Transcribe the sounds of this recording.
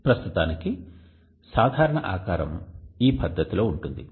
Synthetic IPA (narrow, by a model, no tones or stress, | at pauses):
pɾɐst̪ut̪aːniki | saːd̪ʱaːɾɐɳɐʔaːkaːɾɐ̰miːpɐd̪ʱːɐt̪ilo̞ːuɳʈund̪i